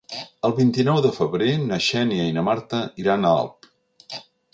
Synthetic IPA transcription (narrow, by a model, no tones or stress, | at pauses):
əlˠβint̪inɔwðəfəβɾenəʃɛniəinəmaɾt̪əiɾanəa̰lˠp